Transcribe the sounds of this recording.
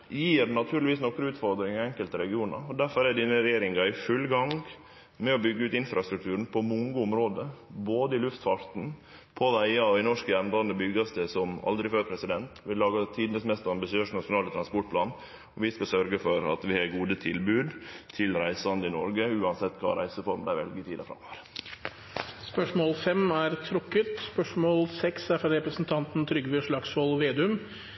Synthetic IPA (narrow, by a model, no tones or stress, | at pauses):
jiːɾnɑt̪ʰʉːɾlɪʋiːsnɔkɾəʉːt̪fɔɾd̪ɾɪŋəɛŋkəlt̪əɾɛɡɪuːnə̰ɾɔd̪æɾfɔɾæɖ̪inəɾɛjeːɾɪŋɑɪfʉlːɡɑŋ | mɛɔbʏɡːəʉːt̪ɪnfɾɑst̪ɾʉk̚t̪ʰʉːɾən̩pʰɔmʊŋɡəʊmɾoːd̪əboːd̪əɪlʉft̪fɑɾt̪n̩ | pʰɔd̪æɪɑɪnɔʂkəjɛmb̪ɑnd̪əbʏɡɑst̪əsɔmɑ̰ld̪ɾɪføːɾpʰɾɛsɪd̪ɛnt̪ʋɪlɑːɡɑt̪ʰiːd̪ənəsmɛst̪ɔɑmbɪsɪøːʂnɑʂʊnɑːlət̪ʰɾɑnspɔʈpʰlɑːn | ɔʋɪskɑsœɾɡəfɔɾɑ̰t̪ʋɪhɑɡuːd̪ət̪ʰɪlbʉːd̪t̪ʰɪlɾæɪsəɑnd̪əɪnɔɾɡəʉːɑnsɛt̪ːkʰɑ̰ːɾæ̰ɪsəfɔɾmd̪æɪʋɛ̰lɡəɪt̪ʰiːd̪ɑfɾɑ̰mːɔʋəɾ | spœʂmoːlfɛmæɾt̪ʰɾɔkːət̪spœʂmoːlsɛksæɾfɑɾɾɛpɾəsn̩t̪ʰɑnt̪n̩t̪ʰɾʏɡʋɪʂɭɑksɔlʋeːd̪ʉm